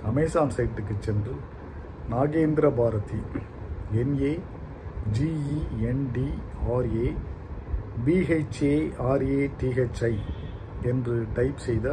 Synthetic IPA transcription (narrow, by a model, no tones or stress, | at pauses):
ɐmɐːsaːnsɐɪʈ̪ːɯk̬ːɯt͡ʃːɛndrɯ | naːɣeːnd̪ɪɾɐbaːɾɐt̪i | ɛneː | d͡ʒiːiɛnɖiaːɾeː | biːɐɪt͡ʃeːaːɾeːʈiːɛt͡ʃːɐɪ | ɛndrɯʈɐɪpsɛjðɐ